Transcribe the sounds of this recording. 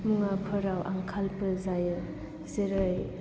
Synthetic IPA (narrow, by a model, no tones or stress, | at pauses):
muŋapʰɯɾawʔa̰ŋkʰalpɯzajɯ | zeɾɯj